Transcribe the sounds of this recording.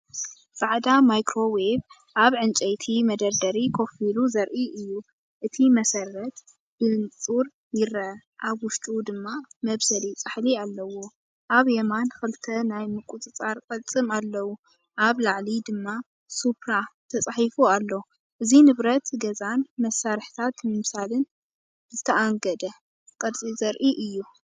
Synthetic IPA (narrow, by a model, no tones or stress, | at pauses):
faʕd̪amajkʰɾo̞web | ʔaβʕɨnt͡ʃʼɐjt̪ʰimɐd̪ɐɾd̪ɐɾikʰo̞filuzɐɾʔiʔɨjːu | ʔɨt̪ʰimɐsɐrːɐt̪ | b̥ɨnt͡sʼuɾ | jɪɾɐ | ʔaβwʊʃt̪ʼud̪ɨmːamɐβsɐlit͡sʼaħlialːɐwo̞ | ʔaβjemanxɨlt̪ʰɐnajmɨkʼut͡sʼɨt͡sʼaɾkʼɐlt͡sʼɨmalːɐwu | ʔaβlaʕlid̪ɨmːa | supʰɾat̪ʰɐt͡sʼaħifualːo | ʔɨzinɨβɾɐt̪ɡɐzanmɐsːaɾħt̪ʰat̪mɨmsalɨn | zɨt̪ʰɐʔaŋɡɐd̪ɐ | kʼɐlt͡sʼizɐɾʔiʔɨjːu